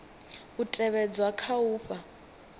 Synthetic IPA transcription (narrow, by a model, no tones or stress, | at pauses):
utʼɛβɛd͡zwakʰauːɸa